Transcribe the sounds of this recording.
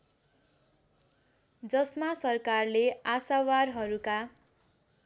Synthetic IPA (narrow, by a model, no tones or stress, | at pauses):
d͡zʌsmasʌrkarleasawarɦʌɾuka